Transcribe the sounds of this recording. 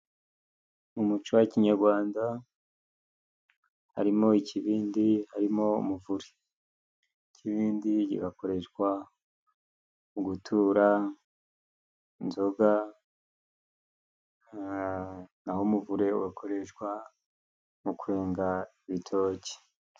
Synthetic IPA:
mumut͡ʃowaciɲaɾɡwaːnda | ha̰ɾimo̞icʰiβiːndihaɾimo̞ṵmuvuɾe̥ | ciβiːndiɟḭɡako̞ɾe̞ʃkwa | uɡutʰuːɾa | nzoɡa | nahomuvuɾe̞uɡakʰo̞ɾe̞ʃkwa | mukuɾe̞ːŋɡaiβitʰo̞ːce̥

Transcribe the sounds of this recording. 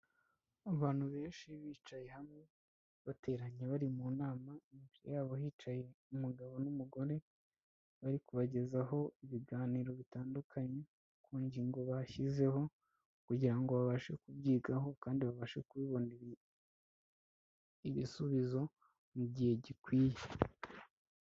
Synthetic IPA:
aβaːn̥huβe̞ːnʃiβiːt͡ʃaje̞hamŋe̞ | βate̞ɾaɲe̞βaɾimuːnaːmaimviɾejaːβo̞ɦiːt͡ʃaje̞umuɡaβo̞numuɡo̞ɾe̞ | βaɾikuβaɟe̞zaɦo̞iβiɡaːniːɾo̞βitaːndukʰaɲe̞ | kuːɲɟiŋɡo̞βaçize̞ho̞ | kuɟiɾaŋɡo̞βaβaʃe̞̰kubɟiːɡaɦo̞kaːndiβaβaʃe̞̰kuwiːβo̞niɾ | iβisuβizo̞ | muɟihe̞ɟikwiːje

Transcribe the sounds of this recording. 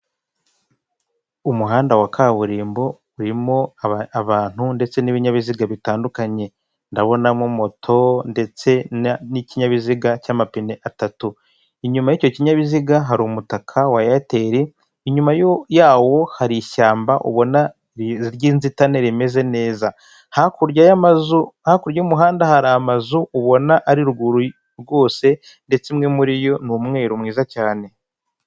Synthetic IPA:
umuɦaːndawakʰaːβuɾiːmbo̞ | uɾimo̞aβaːn̥hunde̞t͡se̞niβiɲaβiziɡaβitaːndukaɲe̞ | ndaβo̞namumo̞tʰo̞nde̞t͡se̞niciɲaβiziɡacaːmapineʔatatu | iɲumajico̞ciɲaβiziɡaɦaɾumutakʰawajate̞ɾe | iɲumajojaːwo̞haɾiʃaːmbaʔṵβo̞na | ɾɟiːnzitane̞ɾime̞ze̞ne̞ːza | hakuɾajamazuhakuɾɟaumuɦaːndahaɾaːmazuːβo̞naʔaɾiɾɡuɾu | ɾɡo̞ːse̞ | nde̞t͡semŋe̞muɾijo̞numŋe̞ɾumŋiːzacaːne̞

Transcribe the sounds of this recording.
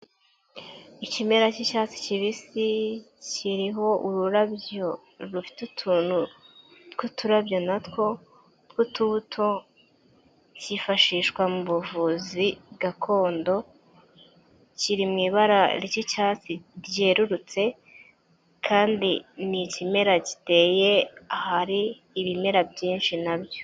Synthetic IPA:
icimeɾacicaːt͡si̥ciβisi | ciɾiɦo̞ʔuɾuɾabjo | ɾufi̥tutʰuːn̥hu | tkutuɾabjo̞natko̞ | tkututʰo | cifaʃiːʃkwamuβuvuːzibɡakʰo̞ːndo̞ | ciɾimŋiːβaɾaɾicicat͡siɾje̞ːɾuɾut͡se̞ | kʰaːndinicime̞ɾaci̥te̞ːjeahaɾiː | βime̞ɾabjiːnʃinabjo

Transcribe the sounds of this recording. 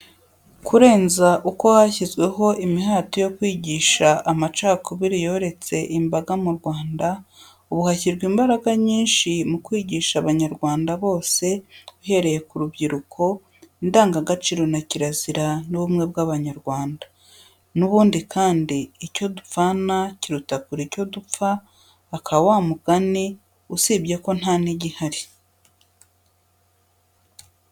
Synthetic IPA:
kʰuɾe̞ːnzaʔuko̞haçizɡwe̞ɦo̞ʔimiɦaːtojo̞kwiːɟiːʃaʔamat͡ʃaːkuβiɾijo̞ɾe̞t͡se̞ʔimbaɡamuɾɡwaːnda | uβuhaçiɾɡwiːmbaɾaɡaɲiːnʃimukwiːɟiːʃaβaɲaɾɡwaːndaβo̞ːse̞uhe̞ɾe̞je̞kuɾubɟiɾukʰo̞ | indaːŋɡaɡat͡ʃiːɾo̞naciɾaziɾanuβumŋe̞bɡaβaɲaɾɡwaːnda | nuβuːndikʰaːndiːco̞dup͡fanaciɾutakuɾico̞dup͡faː | kʰawaːmuɡ̥ani | usiːbɟe̞ko̞n̥haːniɟihaɾi

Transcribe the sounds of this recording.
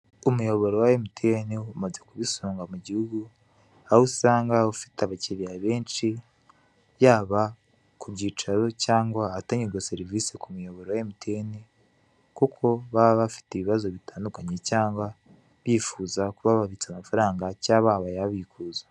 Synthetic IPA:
umujo̞βo̞ɾowaemitʰeniumaze̞kuβisoːŋɡamuɟihuɡu | ahusaːŋɡaufi̥teaβaciɾiaβe̞ːnt͡ʃi | jaːβa | kubɟiːt͡ʃaɾo̞caːŋɡwaːtaɲiɡoseɾivisekumujo̞βo̞ɾowaemutʰeni | kukʰo̞βaβafi̥teβiβazo̞βitʰaːndukaɲe̞caːŋɡwa | βiːfuːzakuβaβaβit͡samafaɾaːŋɡacaβaːβajaβiːkuːzḁ

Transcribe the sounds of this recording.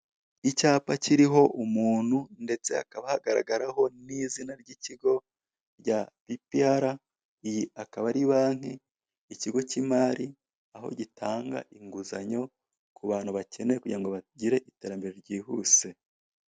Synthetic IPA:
icaːpaciɾiɦo̞ʔumuːn̥hunde̞t͡se̞a̰kaβahaɡaɾa̰ɡaɾaho̞nizinaɾɟiciɡo̞ | ɾɟapipiaɾa | jiakaβaɾiβaːŋ̥heː | ciɡo̞cimaːɾi | aɦo̞̰ɟitʰaːŋɡa̰ʔiŋɡuzaɲo̞ | kuβaːnhuβacʰe̞nekuɟiɾaŋɡoβaɟiɾe̞ʔite̞ːɾambe̞ɾe̞ɾɟiːhuːse̞

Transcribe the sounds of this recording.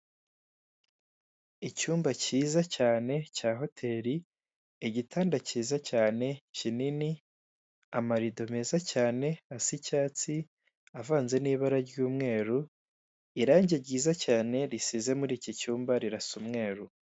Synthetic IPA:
icuːmbaciːzacaːne̞caːɦo̞tʰe̞ːɾi | iɟitʰaːndaciːzacaːne̞cinini | amaɾido̞me̞zacaːne̞asicaːt͡si | avaːnze̞niːβaɾaɾɟuːmŋe̞ːɾu | iɾaːɲɟeɾɟiːzacaːne̞ɾisize̞muɾiːcicuːmbaɾiɾasumŋe̞ːɾu

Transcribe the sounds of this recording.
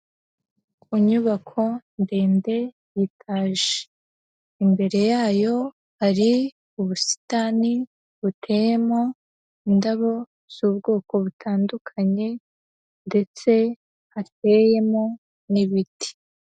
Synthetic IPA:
kuɲuβakʰo̞ndeːnde̞ | jitʰaːʒe̥ | imbe̞ɾe̞jaːjo̞ | haɾi | uβusi̥tani | βutʰe̞ːje̞mo̞ | indaβo̞ | z̥uːbɡo̞ːko̞βutʰaːndukʰaɲe̞ | nde̞t͡se̞ | hat̚e̞je̞mo̞ | niβiti̥

